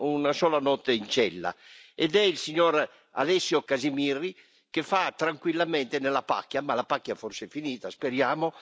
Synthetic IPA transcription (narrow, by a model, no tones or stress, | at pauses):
unasɔːlanɔt̪ːeint͡ʃɛlːa̰ɛd̪ɛilsiɲːɔɾ | a̰lɛsːjokazimirːi | kefat̪ɾaŋkwilːamɛnt̪enelapa̰kːjamalapakːjaɛforsefiniːt̪aspeɾjaːmo